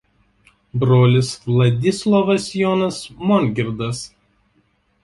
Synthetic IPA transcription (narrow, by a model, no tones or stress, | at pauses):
bɾoːlʲɪslˠɐd̪ʲɪslˠɔʋɐsjɔːnɐsmɔnʲɡʲɪɾd̪ɐs